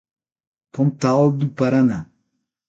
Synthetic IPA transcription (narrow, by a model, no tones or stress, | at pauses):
pɔmtadupaɾana